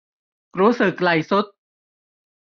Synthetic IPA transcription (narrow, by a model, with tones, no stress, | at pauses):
ɾuː˦˥sɯ˨˩k̚la˨˩jsu˦˥t̪̚